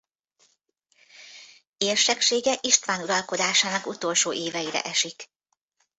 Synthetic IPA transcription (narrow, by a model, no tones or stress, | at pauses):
eːrʃɛkʃeːɡɛʔiʃt̪ʋaːnuɾɒlko̞d̪aːʃaːnɒkut̪o̞lʃoːʔeːvɛiɾɛ̰ʔɛʃik